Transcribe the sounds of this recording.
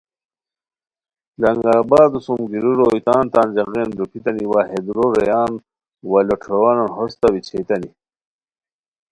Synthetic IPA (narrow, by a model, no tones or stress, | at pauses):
lɐŋɡaːbaːd̪usumɡiɾuɾojt̪aːnt̪aːnd͡ʑɐɣenb̪upʰit̪ɐniwaːɦed̪uɾoɾɐjaːn | wɐloʈʰowanonɦost̪awit͡ɕʰet̪ɐni